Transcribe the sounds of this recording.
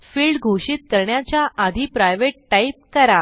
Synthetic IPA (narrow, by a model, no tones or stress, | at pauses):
fiːlɖɡʱoɕiːt̪̚kəɾɳjat͡ɕjaʔad̪ʱipɾajʋeʈʈaip̚kəɾa